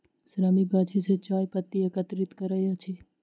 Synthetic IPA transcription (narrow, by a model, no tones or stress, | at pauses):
sɾamikɡat͡ʃʰeset͡ʃaːjpət̪ːiekət̪ɾit̪kəɾajat͡ʃʰe